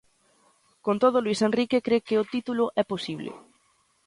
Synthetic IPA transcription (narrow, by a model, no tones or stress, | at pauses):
kont̪oð̞ʊlwisenrikekɾekeot̪it̪ulʊʔɛposiβlɪ̰